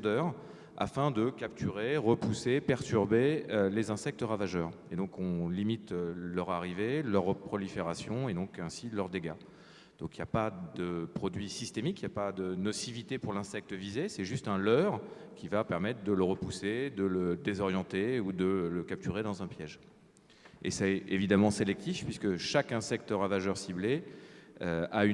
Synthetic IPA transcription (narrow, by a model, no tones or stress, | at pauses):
d̪œːʁ | a̰fɛ̃d̪əkap̚t̪ʰyʁeʁəpusepɛʁt̪yʁbelezɛ̃sɛk̚t̪əʁavaʒœːʁed̪ɔ̃kɔ̃limit̪lœʁaʁivelœʁːəpχɔlifeʁasjɔ̃ed̪ɔ̃kɛ̃silœʁd̪eɡa | d̪̥ɔ̃kiljapad̪əpχɔd̪ɥisist̪emikijapad̪ənɔsivit̪epuʁlɛ̃sɛk̚t̪əvizesɛʒyst̪ɛ̃lœʁ | kʲʰivapɛʁmɛt̪χd̪ələʁəpused̪ələd̪ezɔʁjɑ̃t̪eud̪ələkap̚t̪yʁed̪ɑ̃zɛ̃pjɛʒ | ḛsɛevid̪amɑ̃selɛk̚t̪ifpɥiskəʃakɛ̃sɛk̚t̪əʁavaʒœʁsible | øay